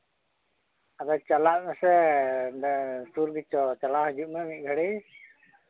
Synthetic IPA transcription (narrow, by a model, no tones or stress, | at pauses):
ad̪ɔt͡ʃalaʔ̚mɛsɛ | suɾɡit͡ʃɔt͡ʃalaɦud͡ʒuʔ̚mɛmic̚ɡʱəɽi